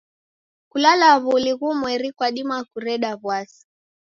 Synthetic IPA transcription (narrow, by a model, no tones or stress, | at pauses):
kulalaβuliɣuːmwɛɾikwaɗimakuɾɛɗaβwasi̥